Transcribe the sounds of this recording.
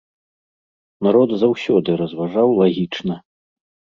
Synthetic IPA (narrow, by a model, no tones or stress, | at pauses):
naɾɔd̪zawsʲɔd̪ɨɾɐzvaʐawlˠaɣʲit͡ʂnɐ